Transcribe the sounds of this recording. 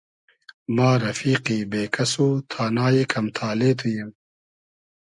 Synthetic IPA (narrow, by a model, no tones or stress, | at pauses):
maːɾɐfiːqiːbeːkɐsoːt̪ʰaːnaːjekʰɐmt̪ʰaːleːt̪ʰujim